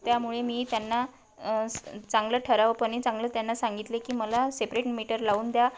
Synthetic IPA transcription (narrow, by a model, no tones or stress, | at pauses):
t̪jamuɭemiːt̪janːa | t͡sãŋɡləʈʰəɾaʋəpəɳit͡saŋɡləːt̪janːasaŋɡit̪lekiːməlasepɾeʈmiʈəɾlauːnd̪ja